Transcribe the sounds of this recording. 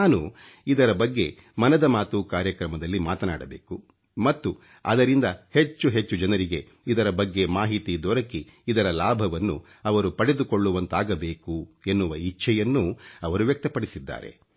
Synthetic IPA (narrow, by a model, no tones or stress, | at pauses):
naːnuid̪ɐɾɐbɐɡːe̞ | mɐnɐd̪ɐmaːt̪ukaːɾjɐkɾɐmɐd̪ɐlːimaːt̪ɐna̰ːɽɐbeːku | mɐt̪ːu | ɐ̰d̪ɐɾind̪ɐhe̞t͡ʃːuɦe̞t͡ʃːud͡ʒɐnɐɾiɡe̞ | id̪ɐɾɐbɐɡːe̞maːɦit̪id̪ɔɾɐkiː | d̪ɐɾɐlaːbʱɐʋɐnːṵ | ɐʋɐɾupɐɽe̞d̪uko̞ɭːuʋɐnt̪aːɡɐbe̞ːkue̞nːuʋɐit͡ʃːʰɛjɐnːuɐʋɐɾuʋjɐk̚t̪ɐpɐɽisid̪ːa̰ːɾe̞̰